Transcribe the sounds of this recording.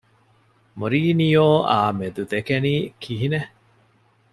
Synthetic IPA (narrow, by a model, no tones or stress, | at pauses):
moɾiːnijoːʔaːmed̪ud̪ekeniːkʰiɦine